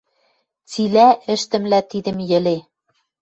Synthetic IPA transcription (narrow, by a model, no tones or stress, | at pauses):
t͡silæɘ̆ʃt̪ɘ̆mlæt̪id̪ɘ̆mjɘ̆le